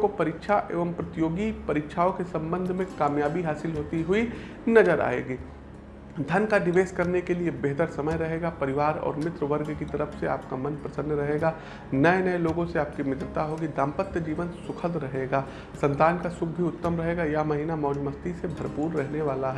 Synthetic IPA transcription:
kopɐɾɪkʃʰaʔḛːʋəmpɾɐt̪joːɡipɐɾikʃʰaːõkesɐ̃mbə̃nd̪ʱmẽkaːmjaːbiɦaːsɪlɦoːt̪iɦʊi | nɐd͡ʒəɾa̰ːḛːɡiː | d̪ʱɐnkaɖɪʋeːskɐɾnekeliebeɦt̪əɾsɐməjɾɐɦeːɡapɐɾɪʋaːɾɔ̰ːɾmɪt̪ɾəʋəɾɡkit̪ɐɾəfʰsea̰ːp̚kamɐ̃npɾɐsə̃nd̪ʱɾɐɦeːɡaː | nɐenɐeloːɡõseaːp̚kimɪt̪ɾɪt̪aɦoːɡid̪ãːmpət̪jəd͡ʒiːʋə̃nt̪sʊkʰəld̪ɾɐɦeːɡaː | sɐ̃nt̪aːnkasʊk̚ʰbʱiʊt̪ːəmɾɐɦeːɡajamɐɦiːnamɔːd͡ʒmɐst̪isebʱɐɾpuːɾːɛɦneʋaːlaɦɛ

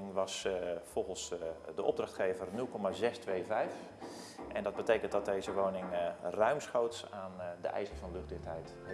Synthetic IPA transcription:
ŋʋɑsfɔlˠxənsdəʔɔ̰b̚drɑxtχejvərnɵlˠkɔmazɛstʋejvɛjf | ʔɛndɑd̚bətejkəntdɔt̚dejzəʋownɪŋrœɥmsχowtsaːndə̰ʔɛ̰jzərfɑnlɵχdɪxthɛjt

